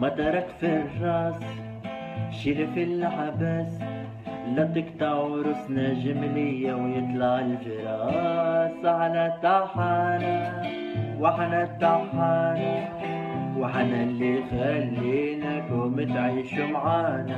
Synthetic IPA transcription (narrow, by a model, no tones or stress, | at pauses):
mat̪ɑɾˤɑkfirˤːɑːs | ʃiɾɪfɪlħabas | lːat̪ɪkt̪ɑʕɾʊsnaʒɪmlɪjːawjɪt̪ˤlɑʕɪlfɪɾˤɑːsaħanat̪ːaħaːna | wɪħanat̪ːaħaːna | wɪħanalːiɣalːinakʊmɪt̪ʕiːʃʊmʕaːna